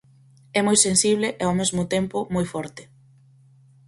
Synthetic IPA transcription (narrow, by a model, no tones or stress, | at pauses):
ɛmɔjsensiβlɪʔeawmezmʊt̪empʊmojfɔɾt̪ɪ̥